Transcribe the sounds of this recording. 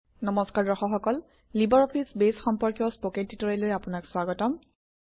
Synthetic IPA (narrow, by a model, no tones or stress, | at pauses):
nɔmɔskaɹdɹɔxɔxɔkɔl | libɔɹɔpʰisbesxɔmpɔɹkjɔspoket̚ːitɔɹeloɹɛapʊnakswaɡɔtɔm